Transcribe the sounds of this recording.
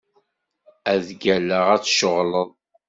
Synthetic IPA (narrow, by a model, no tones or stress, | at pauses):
æðɡælːəʁæt͡sːʃəʁləðˤ